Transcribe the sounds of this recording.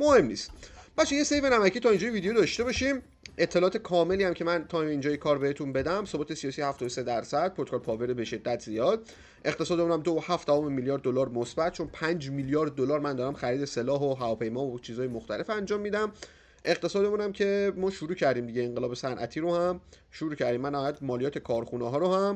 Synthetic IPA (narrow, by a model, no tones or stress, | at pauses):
mohe̞mnḭːst̪b̥æt͡ʃʰejese̞jvenæmæcʰiːt̪ʰɒːind͡ʒɒːjeviːd̪ejod̪ɒʃt̪e̞bɒʃim | e̞t̪ʰːelɒːt̪ʰekʰɒːme̞liːhæmcʰemænt̪ʰɒmeind͡ʒɒːjekʰɒːɾbeet̪unbe̞d̪æmso̞bɔːt̪ʰesijɒːsijhæft̪ɒɔːd̪ose̞d̪æɾsæd̪̥̚pʰoɾt̪o̥kʰːlpʰɒːveɾebe̞ʃe̞d̪ːæt̪ʰzijɒːd̪̥̚ | ʔe̞qt̪ʰe̞sɒːd̪e̞muːnæmd̪oohæfd̪ævɒmemiljɒːɾd̪ːolɒːɾmosbæt̪̚t͡ʃʰo̞npʰænd͡ʒmiljɒːɾd̪̚ːolɒːɾmænd̪ɒːɾæmxæɾiːd̪e̞selɒːɦoɦævɒːpʰe̞jmɒːot͡ʃʰiːzɒːjemoxt̪ʰæle̞fænd͡ʒɒːmːiːd̪æm | ʔe̞ɣt̪ʰe̞sɒːd̪e̞munæmcʰe̞mɒːʃuɾuːcʰæɾd̪iːmd̪iɟeːŋɢelɒːbe̞sænʔæ̰t̪ʰiːɾohæm | ʃuɾuːcʰæɾd̪iːmːænːæɔːjæt̪mɒːlijɒːt̪ʰe̞kʰɒːɾxunɛɦɒːɾohæm